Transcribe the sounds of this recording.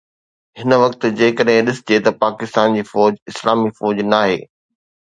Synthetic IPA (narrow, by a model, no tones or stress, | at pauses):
ɦɪnəʋɐkt̪̆d͡ʑeːɪ̃kɐɗɦɪ̃ɗɪsɪd͡ʑet̪ɐpaːkɪst̪aːnd͡ʑiːfɔːd͡ʑɪslaːmiːfɔːd͡ʑnaːɦḛː